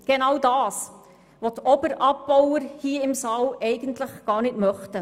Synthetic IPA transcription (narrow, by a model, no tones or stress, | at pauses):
ɡ̥enɑwdɑːs | ʋotɔbəɾʔɑpːɔwəɾhiːəɪmsɑːlʔɛɪɡ̥əntləχɡ̥ɑːɾnɪtmœχtə